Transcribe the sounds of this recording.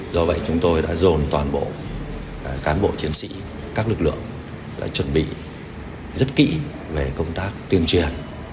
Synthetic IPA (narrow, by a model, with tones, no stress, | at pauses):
zɔ˧və̰˧˨jt͡ɕʊ˨˦ŋ͡mt̪o˧jɗa̰ː˧˥zo˨˩nt̪waː˨˩nɓo̰˧˨˩ | kaː˨˦nɓo̰˧˨t͡ɕi˨˦ənsḭ˧˥ | kaː˦˥k̚lɨ˨˩k̚lɨ̰˧˨əŋ | ɗa̰ː˧˥t͡ɕwə˨˩nɓḭ˧˨ | zə˦˥t̚kḭ˧˥ | ve˨˩kə˧wŋ͡mt̪aː˦˥k̚t̪i˧əŋt͡ɕi˧˩ən